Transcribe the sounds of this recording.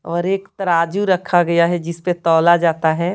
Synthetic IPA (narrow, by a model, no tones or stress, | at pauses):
ɔːɾeːkt̪ɐɾaːd͡ʒuɾɐkʰaɡɐjaɦɛd͡ʒɪspet̪ɔːlad͡ʒaːt̪aɦɛː